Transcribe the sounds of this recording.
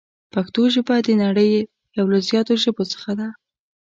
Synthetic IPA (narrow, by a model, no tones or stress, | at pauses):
paxt̪oʒəbad̪ənaɽəj | jawlazjɑt̪oʒəbot͡sə̥xad̪a